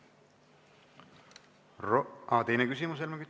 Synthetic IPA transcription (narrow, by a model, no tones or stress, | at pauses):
ɑt̪e̞jnekys̬imus̬elmekyt̪